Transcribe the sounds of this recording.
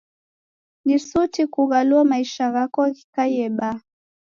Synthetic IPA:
nisutikuɣaluamaiʃaɣakɔki̥kaiɛɓa

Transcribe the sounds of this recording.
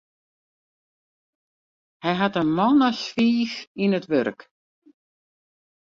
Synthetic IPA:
hɛjɦatənmɔnəsfiːxinətʋørk

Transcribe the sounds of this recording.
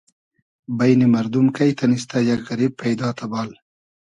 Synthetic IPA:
bajnimɐɾd̪umkajt̪anis̬t̪ajaɡɣɐɾib̚pʰːajd̪ɑːt̪ʰabɑːl

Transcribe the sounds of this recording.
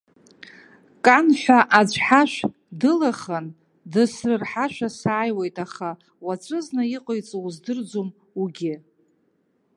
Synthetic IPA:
kʼanħʷᶣaʔad͡ʒʷʰħaʃʷ | dɨlaχan | dɨsrɨrħaʃʷᶣasaːjwejtʼaχa | wat͡ɕʷʼɨznajiqʼojt͡sʼzdɨrd͡zom | uɡʲɪ

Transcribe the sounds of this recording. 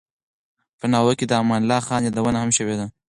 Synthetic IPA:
pənɑwəked̪əamɑnlɑxɑnjɑd̪awənahamʃəwed̪a

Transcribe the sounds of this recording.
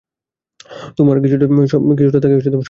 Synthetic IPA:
t̪omaɾkit͡ɕʰuʈaʃɔk̬it͡ɕʰuʈat̪ʰakebeʃet̪omaʃ

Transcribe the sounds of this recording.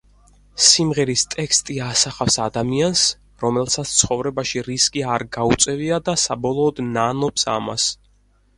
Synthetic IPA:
simʁɛɾist̪ʼɛkst̪ʼiasaχafsad̪amians | ɾɔmɛlˠsat̪st̪sʰχɔvɾɛbaʃiɾiskʼiaɾɡaut̪sʼɛviad̪asabɔlˠɔːd̪nanɔpsa̰ma̰s

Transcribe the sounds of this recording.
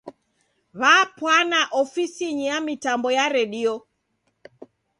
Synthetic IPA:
βaːpwanaʔɔfisiɲijamitambɔjaɾɛɗiɔ

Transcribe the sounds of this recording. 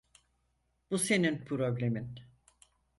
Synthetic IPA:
b̥use̞ninpʰɾoblʲe̞min

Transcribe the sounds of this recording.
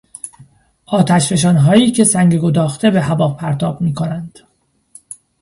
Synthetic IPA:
ʔɒːt̪ʰæʃɾe̞ʃ̬ɒːnɦɒːjiːcʰe̞sæŋɟeɡo̞d̪ɒːxt̪ʰe̞be̞hæbɒːpʰæɾt̪ʰɒːb̥miːkʰonænd̪̥

